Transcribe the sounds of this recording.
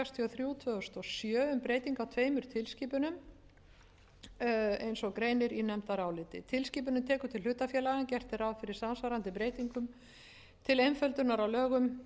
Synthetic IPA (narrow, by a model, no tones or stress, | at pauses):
ast̪ʰiɔθɾjuːt̪ʰvœðʏst̪ɔsjœːʏmpɾeːjt̪iŋkawt̪ʰveːjmʏɾ̥t̪ʰɪlsciːpʏnʏm | ejnsɔkɾeːjnɪɾinɛmt̪aɾaːwlɪːt̪ɪ̰t̪ʰɪlsciːp̬ʏnʏmt̪ʰɛːkʏt̪ʰɪlʏt̪ːafjɛːlaɣancɛr̥t̪ɪɾawfɪɾɪɾ̥samsvaɾant̪ɪpɾeːjt̪iŋkʏm | t̪ʰɪlejnfœlt̪ʏnaɾawlœːɣʏm